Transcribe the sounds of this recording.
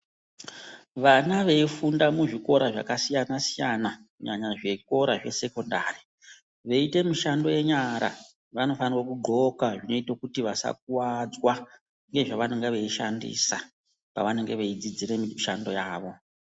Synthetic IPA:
ʋanaʋe̞ifundamuʐiko̞ɾaʐa̰kasijanasijanakuɲaɲaʐe̞ko̞ɾaʐe̞se̞ko̞ndaːri | ʋe̞ite̞miʃando̞je̞ɲaɾa̰ | ʋano̞fanirokuɡ͡ǃoːkaʐino̞itokutiʋasa̰k̚uwad͡zwa | ŋɡe̞ʐaʋaneŋɡeʋe̞iʃandḭsa | pa̰ʋane̞ŋɡeʋe̞id͡zid͡zire̞miʃando̞jaːʋo̞

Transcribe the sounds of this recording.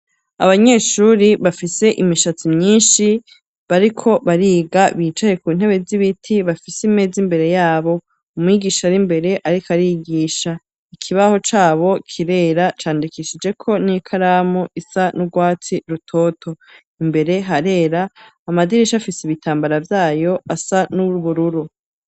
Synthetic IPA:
a̰βaɲe̞ʃuːɾiβafise̞ʔimiʃat͡simɲiːnʃi | βaɾikʰo̞βaɾiːɡaβiːt͡ʃaje̞kuːn̥e̞βe̞ziβitʰiβafisime̞ːzimbe̞ɾe̞jaːβo̞ | umŋiːɡiːʃaɾimbe̞ɾe̞ʔaɾikaɾiɡiːʃa | ikʰiβaho̞t͡ʃaːβo̞kʰiɾe̞ːɾat͡ʃaːndikiʃid͡ʒe̞kʰo̞nikʰaɾamoʔisanuɡwaːt͡siɾutʰo̞ːtʰo̞ | imbe̞ɾe̞ɦaɾe̞ːɾaː | madiɾiʃafisiβitʰaːmbaɾavjaːjo̞asanuuβuɾuɾu

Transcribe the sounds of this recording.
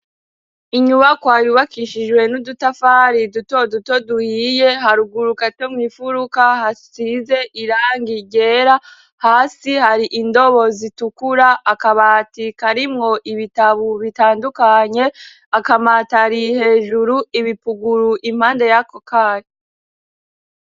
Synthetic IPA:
iɲumakwaːjuβakiʃiʒwe̞nudutafaɾiduto̞duto̞duhije̞ɦaɾuɡuɾukatemŋiːfuɾukahasize̞ʔiɾaːŋɡiɟe̞ːɾa | haːsihaɾiʔindo̞βo̞zitukuɾaakaβatikaɾimŋo̞ʔiβitaβuβitaːndukaɲe̞ | akamataɾihe̞ːʒuɾuiβipuɡuɾuʔim̥haːnde̞jakokaːji

